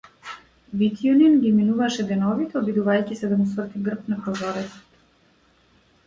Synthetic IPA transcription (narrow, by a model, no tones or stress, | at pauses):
vit̪iɔninɡiminuvaʃɛd̪ɛnɔvit̪ɛɔbid̪uvajcisɛd̪amusvr̩t̪iɡr̩p̚napɾɔzɔɾɛt̪sɔ̥t̪